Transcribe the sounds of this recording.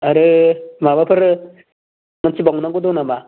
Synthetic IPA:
aɾɯmabapʰɯɾ | mansibɔŋnaŋɡud̪ɔnama

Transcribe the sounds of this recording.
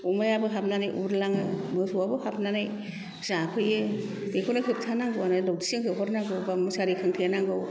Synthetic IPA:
ɔmajabɯɦap̚nanajʔṵɾlaŋɯmɯsuwabɯhap̚nanaj | zakʰɯjɯ | dekʰonɯkʰɯp̚tʰanaŋɡɯwanɯlɔwtisɯŋɦʰɯɦɔɾnaŋɡɯwbamusaɾikʰɯŋtʰɯjanaŋɡɯw

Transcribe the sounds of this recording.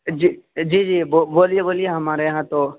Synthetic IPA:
d͡ʒid͡ʒiːd͡ʒiːboboːlijeboːlijeɦɐmaːɾeɦãt̪oː

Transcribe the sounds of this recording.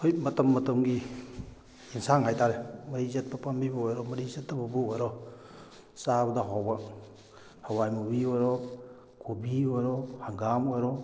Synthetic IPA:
hojmɐtɐmːɐtɐmɡi | insaŋhajtʰaɾemɐɾizet̚pɐpambibuɔjɾɔmɐɾizetːabɐbuojɾɔ | sabɐdaɦawbɐ | hawajmubiojɾɔ | kubiojɾɔhaŋɡamojɾɔ

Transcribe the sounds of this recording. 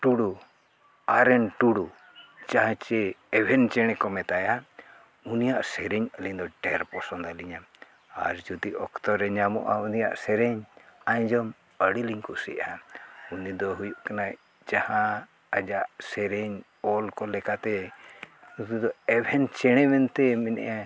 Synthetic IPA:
ʈuɽu | aɾɛnʈuɽu | d͡ʒaɦãt͡ʃɛɛbʱɛnt͡ʃɛɽ̃ɛkɔmɛt̪aja | unijaʔsɛɾɛɲəliɲd̪ɔɖɛɾpɔsɔnd̪aliɲa | a̰ɾd͡ʒud̪iʔɔkt̪ɔɾɛɲamɔ̰ʔaunija̰ʔsɛɾɛɲaɲd͡ʒɔm | əɽiliɲkusɛ̰ʔaunid̪ɔɦujuʔkanaʔ | d͡ʒahã | ad͡ʒaʔsɛɾɛɲ | ɔlkɔlɛkat̪ɛ | ut̪id̪ɔɛbʱɛnt͡ʃɛɽ̃ɛmɛnt̪ɛmɛnɛ̰ʔa

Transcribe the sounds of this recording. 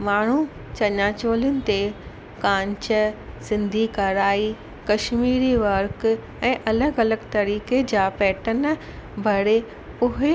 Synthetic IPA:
maːɳ̤u | t͡ɕɐɲaːt͡ɕoːlənɪ̆t̪e | kãːɲt͡ɕəsɪ̃nd̪ʱikɐɾaːi | kɐʃmiːɾiʋɐɾk | ɛ̃ːʔɐləɡɐləɡt̪ɐɾiːked͡ʑaːpɛːʈən | bʱɐɽe | ʊɦe

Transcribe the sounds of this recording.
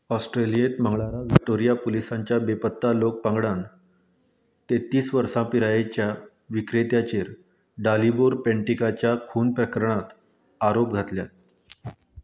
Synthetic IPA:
ɔsʈɾelijet̪m̤əŋɡɭaɾaʋik̚ʈoɾijapolisaɲt͡ɕjabepət̪ːalok̚pãŋɡɽan | t̪et̪iːsʋəɾsãpiɾajet͡ɕja | ʋikɾet̪jat͡ɕeɾ | ɖaliboɾpẽɳʈikat͡ɕjakʰuːnpɾəkəɾɳat̪ | aɾop̚ɡʱat̪ljat̪̚

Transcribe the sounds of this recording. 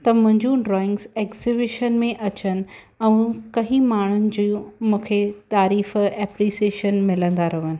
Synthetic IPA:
t̪ɐmʊ̃ɦɪ̃ɲd͡ʑũɖɾɔːɪ̃ŋɡzeːkzibɪʃənmẽʔɐt͡ɕənɪ̆ | ɛ̃ũkɐɦĩmaːɳ̤ʊnɪ̆d͡ʑĩmũːkʰet̪aːɾiːfɛːpɾiːseːʃənmɪlə̃nd̪aɾɐʋənɪ̆

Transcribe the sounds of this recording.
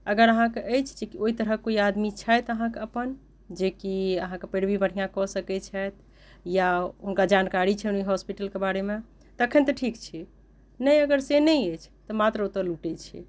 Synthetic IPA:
əɡəɾəɦãkeʔəjt͡ʃʰd͡ʒekioit̪əɾəkːoiad̪mit͡ʃʰajt̪əɦãkeəpən | d͡ʒekiəɦãkepeɽbibəɽ̤ijãkɔsəkɛt͡ʃʰɛt̪̚ | jaɦunkad͡ʒankaɾit͡ʃʰɛuniɦɔspiʈəlkebaɾemẽ | t̪əkʰənt̪ɔʈʰikt͡ʃʰi | nəjəɡəɾsenəjəjt͡ʃʰt̪ɔmat̪ɾəut̪ːəɾluʈɛt͡ʃʰḭ

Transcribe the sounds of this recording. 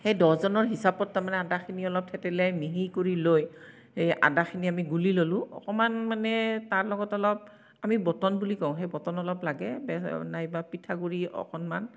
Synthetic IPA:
xejdɔzɔnɔɹɦisapɔtːaɹmanɛadaxʰiniɔlɔp̚tʰɛtɛlɛjmiɦikoɹiloj | eja̰daxʰiniamiɡulilolʊ̃ɔ̰kɔmanmanɛtaɹlɔɡɔtɔlɔp̚ | amibɔtɔnbulikɔ̃ʊ̃xejbɔtɔnɔlɔplaɡɛbɛnajbapitʰaɡuɹiɔ̰kʰɔnman

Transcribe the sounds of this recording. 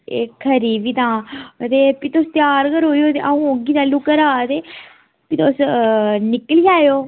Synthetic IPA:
ḛːkʰːəɾiːbiːt̪ãːt̪eːpit̪ost̪jaːɾkəɾɦoːijoːt̪ḛʔaũːoɡiːt̪aːlukəɾaːt̪eː | pit̪osnɪkəlijaːjoː

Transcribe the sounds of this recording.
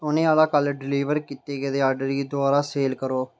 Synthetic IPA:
ʊnẽːaːlaːkəlɖɪliːʋəɾkiːt̪eːɡeːd̪eːaːɖɾiːd̪ʊaːɾaːseːlkəɾoː

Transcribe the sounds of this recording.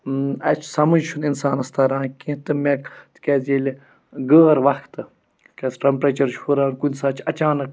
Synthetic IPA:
ɐt͡ʃʰsɐmɐnd͡ʒʃʰuninsaːnɐst̪ɐɾãːnkĩt̪ɨmekt̪kʲezʲelʲi | ɡəːɾʋɐxt̪ɨ | kɐsʈɾɐmpɾet͡ʃɐɾʃʰuɾaːnkunʲsaːt͡ʃʰɐt͡ʃaːnɨk̚

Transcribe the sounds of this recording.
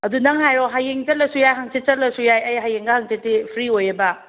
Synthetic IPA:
ɐdunɐŋɦajɾoɦajeŋt͡ʃɐt̚lɐsujajɦaŋsit͡ʃɐtlɐsujajɐjɦajeŋɡɐhaŋt͡ʃetːipʰɾiojɐbɐ

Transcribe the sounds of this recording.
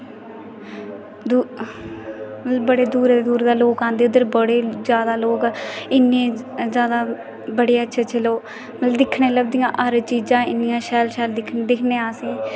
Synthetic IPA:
d̪u | məəbəɽeːd̪uːɾeːd̪uːɾd̪aːloːkãːnd̪eːʊd̪əɾbəɽeːzjaːd̪aːloːkɪnːẽː | zjaːd̪aː | bəɽeːətːʃʰet͡ʃʰəloː | mət̪ləbd̪ɪkʰːɳeːləb̚d̪ɪjãːʔəɾt͡ʃiːd͡ʒãːɪnːɪjãːʃɛːlʃɛːld̪ɪkʰned̪ɪkʰneːaːsĩː

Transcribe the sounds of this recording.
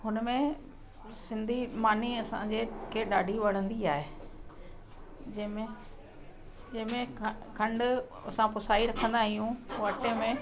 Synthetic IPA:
ɦʊnmẽ | sɪ̃nd̪ʱimaːniɐsã̰ɲd͡ʑekeɗaːɖʱiʋɐɽ̤̃ə̃nd̪iaːɦe | d͡ʑɐmẽ | d͡ʑɐɦɪ̃mẽkʰɐ̃ɳɖʊ | ɐsãpʊsaːiɾɐkʰə̃nd̪aɦijũʋɐʈẽmẽ

